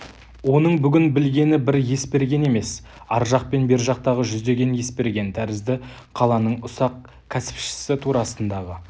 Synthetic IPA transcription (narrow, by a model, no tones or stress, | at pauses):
wo̞nəɴbʏɡʲɪnbɪlɡʲe̞nɪbɪɾje̞spe̞ɾɡʲe̞ne̞me̞s | ɑɾʒɑq̚pe̞nbe̞ɾʒɑq̚t̪ɑʁəʒʏzd̪e̞ɡʲe̞nje̞spe̞ɾɡʲe̞nt̪ʰæɾɪzd̪ɪ | qʰɑlˠɑnəɴʊsɑq̚ | kʲʰæsɪ̥pʃɪ̥sɪt̪ʰuɾɑsənd̪ɑʁə